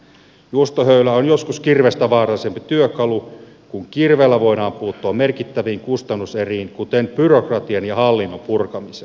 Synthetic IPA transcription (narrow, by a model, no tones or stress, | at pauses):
juost̪oɦøylæonjoskuskirʋest̪æʋɑːrɑlisempit̪yøkɑlu | kuŋkirʋeːlːæʋo̞idɑːmpuːt̪ːoɑmerkit̪ːæʋiːŋkust̪ɑnːuseriːnkut̪enbyrokrɑt̪iɑnjɑhɑlːinːompurkɑmise